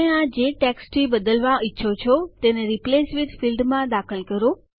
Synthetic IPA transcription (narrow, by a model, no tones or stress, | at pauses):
eãd͡ʒeʈɛksʈibəd̪əlʋãɪtːʃʰot͡ʃʰot̪eneɾiplesʋiʈfilɖmãd̪akʰəlkəɾo